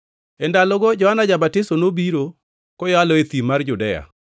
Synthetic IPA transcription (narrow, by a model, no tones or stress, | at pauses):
ɛndalɔɡɔd͡ʒɔhanad͡ʒabatɪsonobiɾo | kɔjɔalɔet̪imard͡ʒʊdɛja̰